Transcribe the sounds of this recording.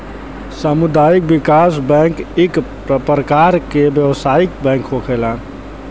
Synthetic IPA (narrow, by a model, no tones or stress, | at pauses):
səmud̪aik̚bikasbɛ̃ŋkikpɾəpɾəkaɾkebjəʋsaik̚bɛ̃ŋkɦokʰelan